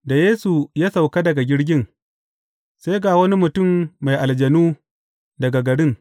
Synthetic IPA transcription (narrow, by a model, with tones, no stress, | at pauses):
da˨jeː˦su˨jaː˦sa˨wka˦dɐ˨ɡa˨ɡʲɪ˦ɽɡʲɪ˦ŋ | sa˦jɡaː˨wɐ˦ni˦mʊ˨tʊ˦˨mːa˨jʔa˨ld͡ʒɐ˨nuː˦ | dɐ˨ɡa˨ɡɐ˨ɽɪ˦ŋ